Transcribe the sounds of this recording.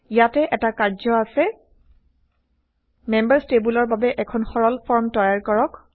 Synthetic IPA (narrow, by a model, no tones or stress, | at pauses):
ijatɛʔɛtakaɹzɔasɛ | mɛmbaɹstebulɔɹbabɛʔɛkʰɔnxɔɹɔlpʰɔɹmtɔjaɹkɔɹɔk